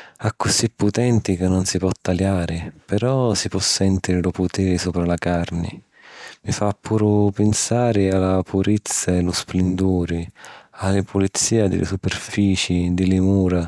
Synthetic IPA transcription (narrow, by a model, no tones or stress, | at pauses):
akːʊsipːʊt̪ɛnt̪ikɪnːʊnsipɔt̪ːaljaːɾɪpɛɾɔsipɔsːɛnt̪iɾɪlʊpʊt̪ɛːɾɪsuːpɾalakarnɪ̰ | mifapːuːɾʊpɪnsaːɾɪalapuɾit̪sːaɛlʊsplɪnd̪uːɾɪalːɪpʊlit̪sːiːad̪ɪ̰lʔɪ̰supɛrfiːt͡ʃid̪ɪlɪmuːɾa